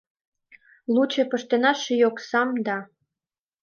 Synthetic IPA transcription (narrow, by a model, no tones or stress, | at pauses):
lut͡ɕĕpə̆ʃt̪enɑʃejoksɑmd̪ɑ